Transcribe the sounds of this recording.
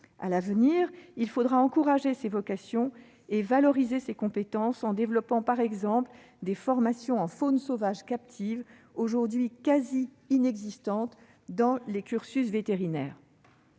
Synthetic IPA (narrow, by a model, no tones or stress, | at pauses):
a̰lavniʁilfod̪ʁaɑ̃kuʁaʒesevɔkasjɔ̃ | evalɔʁizesekɔ̃pet̪ɑ̃sɑ̃d̪evlɔpɑ̃paʁɛɡzɑ̃pl | d̪efɔʁmasjɔ̃ɑ̃fonsovaʒkap̚t̪ʰiv | oʒuʁd̪ɥikaziː | nɛɡzist̪ɑ̃t̪ | d̪ɑ̃lekʲyʁsysvet̪eʁinɛ̰ːʁ